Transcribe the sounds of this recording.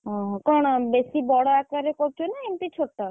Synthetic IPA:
ɦɔ̃kɔɽ̃besibɔɽɔakaɾekɔɾt͡ʃʰunaemt̪it͡ʃʰoʈːa

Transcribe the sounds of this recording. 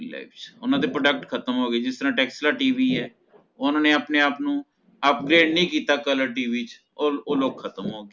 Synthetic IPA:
la̰ɪft͡ʃʊnãːd̪eːpɾoːɖəkʈkʰət̪əmɦoːɡeːd͡ʒɪst̪əɾãːʈɛːkslaːʈiːʋiːɛː | ʊnãːneːəpneːaːpnũː | əp̚ɡɾeːɖnəĩːkiːt̪aːkələɾʈiːʋiːt͡ʃ | ooːloːkʰət̪əmɦoːɡeː

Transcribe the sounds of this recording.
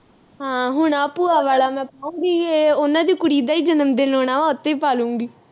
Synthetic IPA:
ɦãːɦʊɳaːpuːaːʋaːlaːmɛ̃ːpaːũːŋɡiːeonãːd͡ʒiːkʊɽiːd̪aːiːd͡ʒənəmd̪eːloːɳ̃aːʋaːʊt̪ːeːpaːlũːŋɡiː

